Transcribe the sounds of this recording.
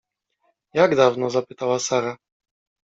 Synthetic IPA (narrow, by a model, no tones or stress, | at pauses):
jaɡd̪avnɔzapɘt̪awasaɾa